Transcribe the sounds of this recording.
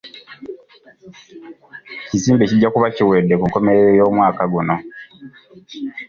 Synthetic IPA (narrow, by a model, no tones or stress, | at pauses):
ciziːmbe̞cidɟːakuβaciweːdːe̞kuŋko̞me̞ɾeejo̞ːmwaːkaɡuno̞